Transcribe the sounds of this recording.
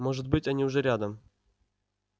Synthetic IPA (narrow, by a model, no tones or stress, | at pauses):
moʐɨt̪̚bɨtʲɐnʲiʊʐɛɾʲad̪əm